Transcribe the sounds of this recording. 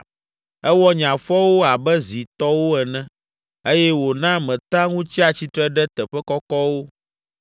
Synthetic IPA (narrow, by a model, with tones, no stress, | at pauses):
ɛ˦wɔ˦ɲã˨fɔ˦wo˦a˨bɛ˦zi˨t̪ɔ˦wo˦ɛ˨nɛ̃˦ | e˦jɛ˦wo˨nã˦mɛ̃˨t̪ã˦ŋũ˦t͡ɕi˦a˨t͡ɕi˦t̪ɾɛ˦ɖɛ˦t̪ɛ˨ɸɛ˦kɔ˦kɔ˦wo˦